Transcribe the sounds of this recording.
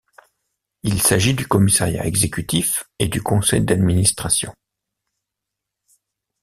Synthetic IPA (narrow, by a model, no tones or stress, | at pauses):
ilsaʒid̪ykɔmisaʁja̰ɛɡzekʲyt̪ifed̪ykɔ̃sɛjd̪ad̪minist̪χasjɔ̰̃